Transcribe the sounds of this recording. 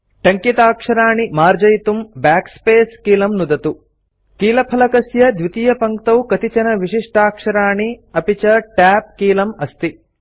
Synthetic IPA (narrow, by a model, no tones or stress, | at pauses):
ʈɐŋkit̪aːkʂɐɾaːɳimaːɾd͡ʒɐjt̪umbaːkspeːskiːlɐmnud̪ɐt̪u | kiːlɐpʰɐlɐkɐsjɐd̪ʋit̪ijɐpɐŋkt̪ɐwkɐt̪it͡ʃɐnɐʋiʂiʂʈʰaːkʂɐɾaːɳiɐpit͡ʃɐʈaːp̚kiːlɐmɐst̪i